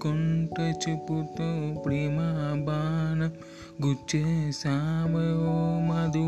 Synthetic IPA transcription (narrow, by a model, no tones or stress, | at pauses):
koɳʈɐt͡ʃiput̪opɾimabaːnɐ | ɡut͡ʃːesaːmɐjoːmad̪u